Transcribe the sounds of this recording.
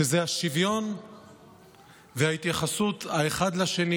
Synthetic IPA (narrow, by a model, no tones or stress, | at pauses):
ezeaʃivjo̞n | vehait̪jaχasut̪aeχad̪laʃeni